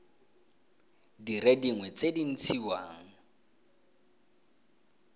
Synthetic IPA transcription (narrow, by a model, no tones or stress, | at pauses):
dirediŋwɛt͡sedin̩t͡sʰiwaːŋ̩